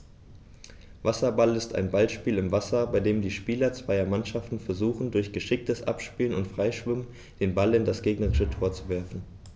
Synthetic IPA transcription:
vasɐbalɪsta̰ɪnbalʃpiːlɪmvasɐbaɪdeːmdiːʃpiːlɐt͡sv̥aɪɐmanʃaftn̩fɛɐzuːχn̩dʊɐçɡ̥əʃɪk̚təsʔa̰pʃpiːlənʊntfʁ̥aɪʃv̥ʏmən | d̥eːnbalɪndasɡ̥eːɡnəʁɪʃətʰoːɐt͡suvɛɐfn̩

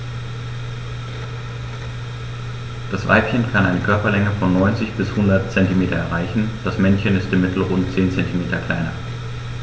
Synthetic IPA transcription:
d̥asv̥a̰ɪpçənkʰanʔaɪnəkʰœɐpɐlɛŋəfɔnːɔʏnt͡sɪçb̥ɪshʊndɐtt͡sɛntimeːtɐɛɐʁaɪçn̩d̥asmɛnçənɪstɪmɪtʰl̩ʁʊntt͡seːnt͡sɛntimeːtɐkʰl̥aɪnɐ

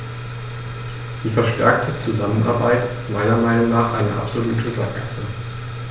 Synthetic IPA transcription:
d̥iːfɛɐʃtɛ̰ɐk̚tʰət͡suzamənʔa̰ɐbaɪtɪstmaɪnɐmaɪnʊŋnaːχʔaɪnəʔa̰pz̥oluːtʰəza̰k̚asə

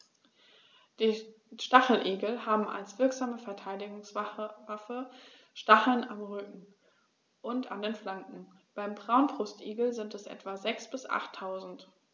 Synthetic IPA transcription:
d̥iː | ʃtaχl̩ʔeːɡl̩haːbm̩a̰lsv̥ɪɐkz̥aːməfɛɐtʰaɪdɪɡʊŋsvafə | ʃtaχl̩namʁʏkŋ̩ | ʔʊnta̰ndeːnflaŋkŋ̩b̥aɪmbʁaʊnbʁ̥ʊstʔeːɡl̩zɪntɛsʔɛ̰tv̥azɛksb̥ɪsʔa̰χtʰːaʊzn̩t

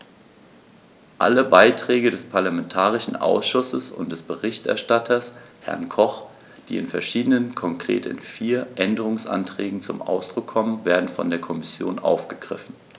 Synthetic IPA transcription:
ʔa̰ləbaɪtʁ̥ɛːɡədɛspʰaɐlamɛntʰaːʁ̞ɪʃn̩ʔa̰ʊsʃʊsəsʊ̰ntd̥ɛsb̥əʁɪçtɛ̰ɐʃtatʰɐshɛ̰ɐnkʰɔχ | d̥ḭːɪnfɛɐʃiːdənənkʰɔŋkʁ̥ḛːtɪ̰nfiːɐʔɛndəʁ̞ʊŋsʔa̰ntʁ̥ɛːɡŋ̩t͡sʊmʔa̰ʊsd̥ʁʊkʰːɔmənveːɐdn̩fɔ̰ndeːɐkʰɔmɪsjo̰ːnʔa̰ʊfɡ̥əɡ̥ʁɪ̰fn̩

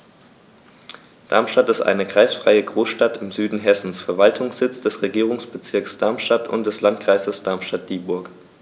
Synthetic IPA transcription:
d̥a̰ɐmʃtatɪstʔa̰ɪnəkʁ̥a̰ɪsfʁ̥aɪəɡʁoːsʃtatɪmzyːdn̩ɦɛsn̩sfɛɐvaltʰʊŋsz̥ɪt͡sd̥ɛsʁeɡiːʁ̞ʊŋsb̥ət͡sɪɐksd̥aɐmʃtatʊ̰nt̚d̥ɛslantkʁ̥aɪzəsd̥aɐmʃtat̚d̥iːbʊɐk

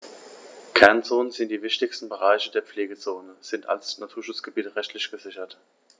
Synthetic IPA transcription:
kʰɛɐnt͡soːnənzɪnt̚d̥iːvɪçtɪçstn̩bəʁ̞aɪçədeːɐpp͡fleːɡət͡soːnəz̥ɪntʰa̰lsnatʰuːɐʃʊt͡sɡ̥əbiːtəʁɛçtʰlɪçɡ̥əzɪçɐt

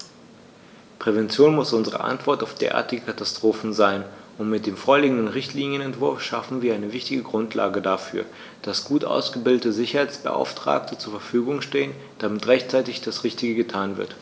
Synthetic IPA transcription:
pʁ̥ɛvɛnt͡sjoːnmʊsʔʊnzəʁə̰ʔa̰ntv̥ɔɐtaʊfd̥ḛːɐʔa̰ːɐtɪɡəkʰatastʁ̥oːfn̩zaɪn | ʊntmɪt̚d̥eːmfoːɐliːɡŋ̩dənʁɪçtʰliːnjənɛntv̥ʊɐfʃafn̩viːɐʔaɪnəvɪçtɪɡəɡʁʊntʰla̰ːɡədafy̰ːɐ | d̥asɡ̥uːtʔa̰ʊsɡ̥əbɪldətəzɪçɐhaɪt͡sb̥ə̰ʔa̰ʊftʁ̥a̰ːk̚tʰət͡suːɐfɛɐfyːɡʊŋʃteːən | d̥amɪtʁɛçtt͡saɪtɪçd̥asʁɪçtɪɡəɡətʰaːnvɪ̰ɐt

